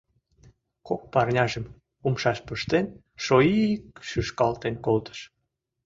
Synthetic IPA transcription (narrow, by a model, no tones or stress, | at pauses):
kok̚pɑrnʲɑʒə̆m | umʃɑʃpəʃt̪en | ʃoikʃyʃkɑlt̪enkolt̪ə̥ʃ